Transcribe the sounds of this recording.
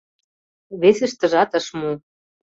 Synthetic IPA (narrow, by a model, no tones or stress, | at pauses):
βesɘ̆ʃt̪ə̆ʒɑt̪ɤ̆ʃmu